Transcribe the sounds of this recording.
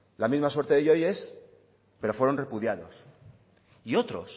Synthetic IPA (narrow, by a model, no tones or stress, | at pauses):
lamizmaswe̞ɾt̪eðeʝo̞jes | peɾo̞fwe̞ɾo̞nre̞puð̞jað̞o̞s | io̞t̪ɾo̞̰s